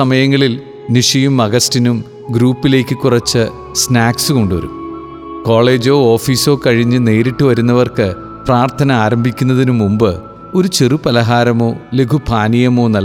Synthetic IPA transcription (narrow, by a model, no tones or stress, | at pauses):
ɐmɐjɐŋːɐɭil | niʂijumɐɣɐstinum | ɡɾuːpːile̞ːkʲːɨkːurɐt͡ɕːɨ | snaːksɨko̞ɳɖuʋɐ̰ɾṵm | ko̞ːɭe̞ːd͡ʑoːoːfiːso̞ːkɐɻiɲːɨne̞ːɾiʈːuʋɐɾunːɐʋɐrkɨ | praːrt̪ʰɐnɐaːɾɐmbʱikʲːunːɐðinumːumbɨ | o̞ɾut͡ɕerupɐlɐɦaːɾɐmo̞ːleɡʰʱupʰaːnijɐmo̞ːnɐl